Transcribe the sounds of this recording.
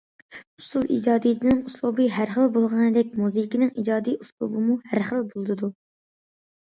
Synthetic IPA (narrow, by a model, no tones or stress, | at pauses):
u̥sulˠʔḭd͡ʒɑːd̪ijd̪ɪnɨŋuslˠubɨɦæɾχəlˠbolˠʁɑnɨd̪ɛkʲmuzɨkʲinɪŋid͡ʒɑːd̪ijuslˠṵbɨmuhæɾχəlˠbolˠd̪ɨd̪u